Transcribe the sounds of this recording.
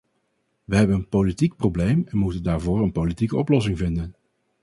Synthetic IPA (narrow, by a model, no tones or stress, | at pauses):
ʋəɦɛbənənpolitik̚problejmɛnmutəndaːɹvʊːɹənpolitikəɔplɔs̬ɪŋvɪndən